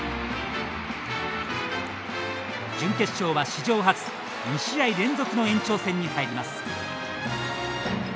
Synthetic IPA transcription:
d͡ʑɨ̃ŋke̞t͡sɨ̥ɕo̞ːβaɕid͡ʑo̞ːɦat͡sɨ̥ | miɕiaiɾẽ̞nzokɯ̟no̞ẽ̞ɲ̟t͡ɕo̞ːsẽ̞ɲ̟ːihaiɾʲimasɨ̥

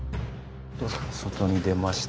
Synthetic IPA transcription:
t̪osot̪o̞ɲ̟id̪e̞maɕi̥

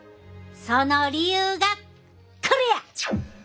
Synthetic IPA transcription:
sonoɾʲijɯːɡa | kʰɯɾɯja

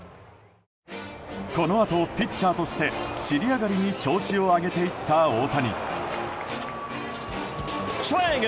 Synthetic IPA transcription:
ko̞no̞at̪o̞pʲit͡ɕt͡ɕːaːt̪o̞ɕi̥t̪e̞ɕiɾʲiaɡaɾʲiɲ̟it͡ɕo̞ːɕio̞aɡe̞t̪e̞it̪ːaoːt̪aɲ̟ḭ | seŋ

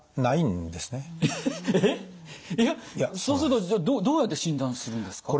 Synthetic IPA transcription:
naĩnd̪e̞sɨne̞ | e | jajasoːsɨɾɯt̪od͡ʑaːd̪oːd̪oːjat̪ːe̞ɕĩnd̪ãɰ̃sɨɾɯ̟̃nd̪e̞sɨ̥kao

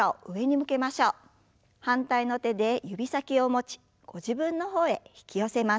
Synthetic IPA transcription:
aoʔɯ̟e̞ɲ̟imɯ̟ke̞maɕo̞ː | hãnt̪aino̞t̪e̞d̪e̞jɯbʲisakʲio̞mo̞t͡ɕi̥ | ɡ̥o̞ʑibɯ̟̃nːo̞ɦo̞ːe̞çi̥kʲijo̞se̞ma

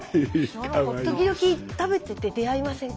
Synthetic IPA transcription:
kaat̪o̞kʲid̪o̞kʲit̪abe̞t̪ɯt̪ːed̪e̞aimasẽ̞ŋ

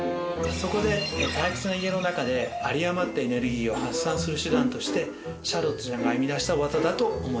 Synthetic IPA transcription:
so̞ko̞d̪e̞t̪ajkʲe̥t͡sɨnaiɡe̞no̞nakad̪e̞aɾʲiamat̪ːeene̞ɾɯ̟ɡʲiːo̞hasːãɰ̃sɨɾɯ̟ɕɨd̪ãnt̪o̞ɕi̥t̪e̞ | ɕaɾo̞t̪ɨʑaɡaimʲid̪aɕi̥t̪aβazad̪at̪o̞ːmo

